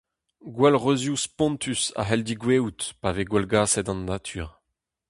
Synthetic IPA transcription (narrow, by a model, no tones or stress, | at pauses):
ɡwɛlʁøzjuspɔ̃nt̪ʰysa̰ɦɛld̪iɡwewt̪paveɡwɛlɡaːsɛt̪ɑ̃nːat̪ʰy̰ːʁ